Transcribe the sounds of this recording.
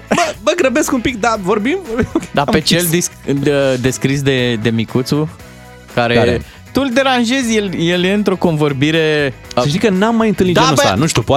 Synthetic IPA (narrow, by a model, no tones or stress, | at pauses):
bəməɡɾəbeskumpikd̪avo̞rbimvobimd̪apet͡ʃeld̪isəd̪e̞skɾis̬d̪e̞d̪e̞mikut̪su | kaɾe̞ | t̪uld̪e̞ɾanʒe̞zʲjeljelje̞ɨnt̪ɾo̞ko̞nvo̞rbiɾe̞ | eʃt̪ikənamːajɨnt̪ɨlnid̪d͡ʒeusa̰nuʃt̪upoa